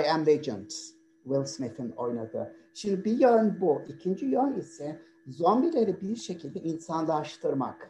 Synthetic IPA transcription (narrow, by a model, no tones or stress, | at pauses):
jæmled͡ʒɨ̰nt̪ | wilʲsmifinojnad̪ɯ̰ʃimd̪ibijønbuʔicʰind͡ʒijønisɛ | zo̞mbilʲe̞ɾibiʃe̞cʰilʲd̪ɛʔinsanlˠaʃt̪ʰɯɾma̰k